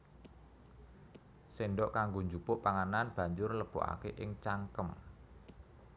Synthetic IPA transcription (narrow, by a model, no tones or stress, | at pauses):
senɖɔʔkaŋɡoɲd͡ʒupʊʔpaŋananb̥a̤ɲd͡ʒʊrləb̥o̰ʔa̰keʔɪŋt͡ʃaŋkəm